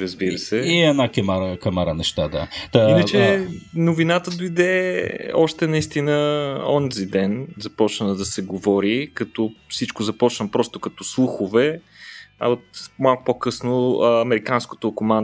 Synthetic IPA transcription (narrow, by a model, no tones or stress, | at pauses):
ɾəzbiɾəsɛiɛnakɛmaɾəkɐmaɾənɛʃt̪ad̪ainət͡ʃɛnovinat̪əd̪oid̪ɛɔʃt̪ɛnɐist̪inəɔ̰nzid̪ɛnzɐpɔt͡ʃnəd̪ɐsɛɡovɔɾikɐt̪ɔfsit͡ʃkʊzɐpɔt͡ʃnəpɾɔst̪ʊkɐt̪ɔslˠuxʊvɛ | ɐ̰ot̪malˠkʊpokɤsnoəɐmɛɾikansko̥t̪okoman